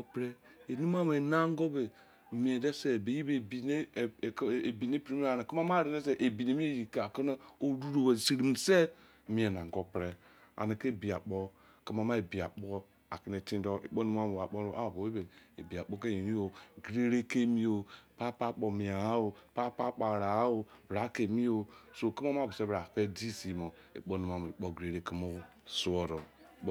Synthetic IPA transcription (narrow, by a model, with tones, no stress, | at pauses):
pɾe˦ | e˨ni˦m˦a˦m˨e˨na˦ŋ˦ɡo˦be˨ | mi˨e˨de˦se˦˨be˨ji˦be˨bi˨n˦˨˦e˨bi˨ne˦pe˦mi˦a˨na˨ki˦ma˦ma˦˨ɾe˨ne˦se˦ʔe˨bi˨ne˨mi˦e˦˨ji˨ka˨ko˦na˦o˦ɾu˦ɾo˨we˨si˨ɾi˨n˨se˦˨ | mi˨˦e˨na˨ŋɡo˦pɾe˨ | a̰˨ne˨ke˦˨bi˨a̰˨k͡po˦ | ke˦ma˦ma˦e˨bi˨a̰˨k͡po˦ | a˨ki˨ne˨ti˦ndo˦ʔḛ˨k͡po˦nu˦m˦a˦mo˨a˨k͡po˦ɾo˨ʔa˦˨bo˨e˦be˨e˨bi˨a˨k͡po˦ke˦i˨ni˦o˨ɡɾe˦ɾe˦ke˦mi˦o˨pa˦pa˦˨k͡po˨mi˨a˨a˦o˨pa˦pa˦k͡pa˨ɾa˨˦o˨bɾa˨˦ke˨mi˦o˨so˦˨ki˦ma˦m˦a˦˨bo˨se˦ba˨fe˦di˦si˨mo˨ | ḛ˨k͡po˦nu˨m˨a˨mo˨e˨k͡po˦˨ɡɾe˨ɾe˦ki˦mo˦ | su˦o˨ɾo˨